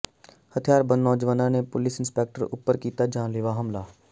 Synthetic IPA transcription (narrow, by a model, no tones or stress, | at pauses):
hət̪ʰijaːɾbə̃nnɔːd͡ʒʋanãːnepʊlɪsɪnspeːk̚ʈəɾʊ̰pːəɾkiːt̪aːd͡ʒãːlɪːʋaːɦəmlaː